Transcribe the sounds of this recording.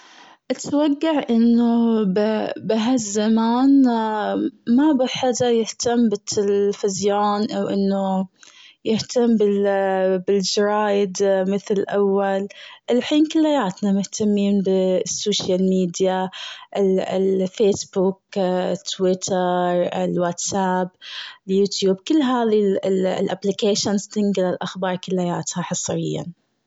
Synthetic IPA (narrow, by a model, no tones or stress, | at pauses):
ʔat̪waɡːaʕʔɪnːo | bɪɦazːamaːn | mabɪħad̪ajɪht̪amːbɪt̪ːalfɪzjaːnʔawʔɪnːo | jɪht̪amːbɪ | bɪld͡ʒɾˤaːjd̪mɪθlɪlʔawːalʔɪlħiːnkɪlːajaːt̪namʊht̪amːiːnbɪsːoːʃjalmiːd̪jaʔɪlfeːsbʊkt̪ːwɪt̪ʰɑɾˤɪlwat̪sabljuːt̪juːbkɪlːɦaːðilʔa̰blɪkeːʃanst̪ɪŋɡɪlalʔaxbɑːɾˤkɪlːajaːt̪haħɑsˤɾɪ̰jːa̰n